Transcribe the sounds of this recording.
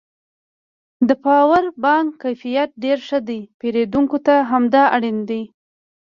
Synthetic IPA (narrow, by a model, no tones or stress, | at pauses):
d̪əpɑwaɾbɑŋɡkajfijat̪̚ɖeɾʂəd̪ajpeɾed̪uŋkot̪aɦamd̪ɑaɽind̪ej